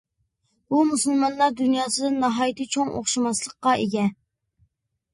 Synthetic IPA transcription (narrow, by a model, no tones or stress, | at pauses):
bumusɨlˠmɑnlˠɑɾd̪unjɑːsɨd̪ɨnɑɦɑːjit̪ɨt͡ʃʰoŋo̰χʃimɑslˠəqːɑʔeɡʲɛ